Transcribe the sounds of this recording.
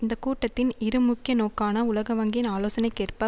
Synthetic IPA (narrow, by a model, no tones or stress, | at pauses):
ɪnd̪ɐkuːʈːɐt̪ːɪnɪɾɯmʊkːɪjɐnoːkaːnɐʊlɐɣɐʋɐŋɡɪnaːloːsɐnɐɪkːeːrpɐ